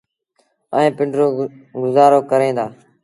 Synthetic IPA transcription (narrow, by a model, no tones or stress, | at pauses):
əẽːpɪɳɖɾoːɡʊzaːɾoːkəɾẽːd̪aː